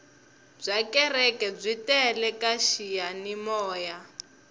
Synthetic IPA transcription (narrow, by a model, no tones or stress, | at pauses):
b͡ʐʷakɛrɛkɛb͡ʐʷitɛlɛkaʃijanimɔːja